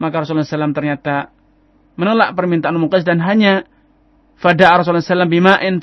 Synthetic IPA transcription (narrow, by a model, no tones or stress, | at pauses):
makaɾɔs̬ulsalamt̪ərɲat̪a | mənəlaʔpərmint̪aʔanmuqɪsdanɦaɲa | fadaʔaɾɔs̬ulnsalambimaʔɪn